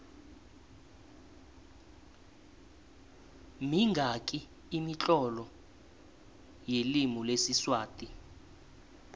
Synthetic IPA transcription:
miŋɡʱakʼiː | mit͡ɬʼɔlɔ | jelimulesiswaːtʼi

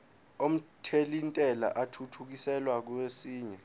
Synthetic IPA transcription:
om̩tʰelintʼɛla̰ʔatʰutʰuk̬isɛlwak̬uwesiːɲɛ

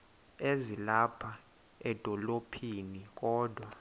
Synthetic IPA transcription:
ezilapʰa | ɛd̥ʱɔlopʰiːnik̬ʼɔːd̥ʱwa

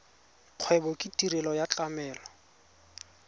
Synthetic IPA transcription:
q͡χʰwɛbɔkʼɪtʼiɾɛlɔjat͡ɬʼamɛːlɔ

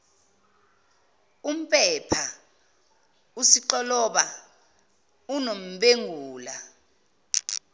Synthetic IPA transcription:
um̩pʼɛpʰa | usiǃɔlɔɓa | unom̩ɓeŋʱuːla

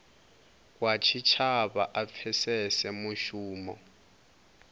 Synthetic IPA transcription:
k̬ʼwat͡ʃʰit͡ʃʰaɓa̰ʔap̪fʰɛsɛsɛmuʃuːmɔ̰

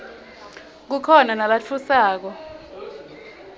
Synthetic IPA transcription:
k̬ukʰɔnanalat͡fʰusaːk̬ɔ

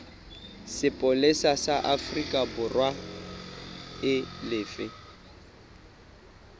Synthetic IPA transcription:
sɪpʼʊlɪsasaʔafrikʼabʊrwa | ɪlɪːfɪ

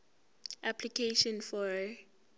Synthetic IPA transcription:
ʔapʰlikʰeʃɔ̃nfɔ

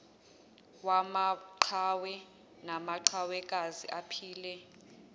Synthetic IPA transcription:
wamaǃʰawɛ | namaǃʰawɛk̬ʼazḭʔapʰiːlɛ

